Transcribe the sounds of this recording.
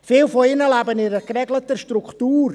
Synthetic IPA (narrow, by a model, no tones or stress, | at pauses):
fɪːlfoɪnəlabənɪɾəkrɛɡlətəʃtruktuːɾ